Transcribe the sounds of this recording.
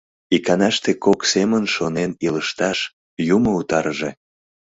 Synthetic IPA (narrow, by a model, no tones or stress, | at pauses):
ikɑnɑʃt̪ekoksemənʃoneniləʃt̪ɑʃ | jumout̪ɑɾʒe